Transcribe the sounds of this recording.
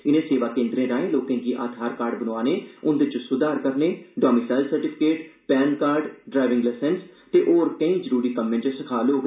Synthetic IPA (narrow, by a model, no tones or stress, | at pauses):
ɪnẽːseːʋaːkẽːnd̪ɾẽːɾaːẽːloːkẽːkiːʔaːt̪ʰaːɾkaːɾɖbənoaːneːʊnd̪et͡ʃsʊd̪aːɾkəɾneːɖaːmiːsaːlsəɾʈɪpʰɪ̥keːʈpɛːnkaːɾɖɖɾaːɪʋɪŋɡlɛːsɛnst̪eːʔoːɾkə̃ĩːd͡ʒəɾuːɾiːkəmːẽːt͡ʃəsəkʰaːloːɡ